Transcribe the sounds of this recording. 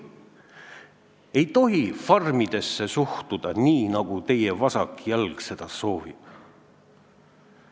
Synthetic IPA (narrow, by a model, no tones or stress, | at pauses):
e̞jt̪o̞ɦifɑrmid̪̥e̞sːe̞suht̪ud̪̥ɑniːnɑɡ̥ut̪e̞jevɑsɑ̰kjælɡ̥se̞d̪̥ɑso̞ːvib̥